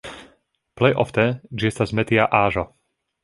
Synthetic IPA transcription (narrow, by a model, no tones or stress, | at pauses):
plɛjʔɔft̪ɛnd͡ʒɪɛst̪azmɛt̪ɪaʔaːʒɔ